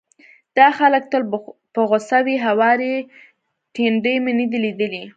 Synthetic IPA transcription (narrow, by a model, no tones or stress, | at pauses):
d̪̥ɑxalək̚t̪əlpəɣosawiɦawɑɾe | teɳɖəjmenəd̪ilid̪əli